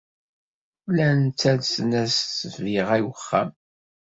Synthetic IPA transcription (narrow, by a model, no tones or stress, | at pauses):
lænt͡sːæðsənæssvviʁæjəχːæ̰m